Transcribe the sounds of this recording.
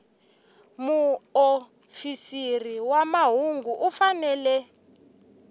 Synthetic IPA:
muo | fisiriwamaɦuŋɡʱuʔufanɛːlɛ

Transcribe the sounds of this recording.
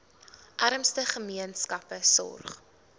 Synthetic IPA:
ʔɐɾəmstəχəmiənskɐpəsɔ̰rχ

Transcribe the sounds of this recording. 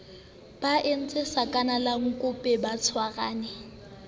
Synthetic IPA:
b̥aʔen̩t͡sʼɪsakʼanalaŋ̩kʼʊpʼɛbat͡sʰwaɣaːnɪ

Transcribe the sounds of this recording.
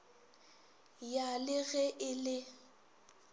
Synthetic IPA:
jalɪɣɛʔɪlɪ

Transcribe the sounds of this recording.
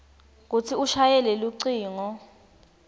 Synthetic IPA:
k̬ut͡sʰiuʃajɛleluǀiːŋɔ

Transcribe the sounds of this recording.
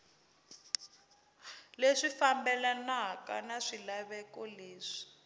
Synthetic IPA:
leʂifambɛlanaka̰naʂilaβɛkɔleːʂi̥

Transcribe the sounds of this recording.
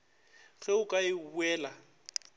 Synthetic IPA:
ɣɛʊkʼaɪbuɛːla

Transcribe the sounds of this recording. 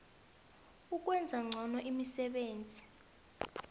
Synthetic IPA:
uk̬ʼwɛnd͡zʱaŋ͡ǀʱɔnɔʔimisɛɓeːnd͡zʱi

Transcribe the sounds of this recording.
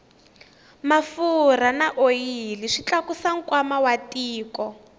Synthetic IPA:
mafur̤anaʔojiliʂit͡ɬakusaŋ̩kwamawatiːkɔ

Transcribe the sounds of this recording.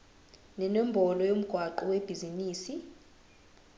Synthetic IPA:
nɛnɔmbʱɔlɔjom̩ɡ̥ʱwaǃɔweb̥ʱiziniːsi

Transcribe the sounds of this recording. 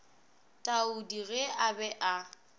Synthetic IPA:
tʼaudiɣeabɛʔa

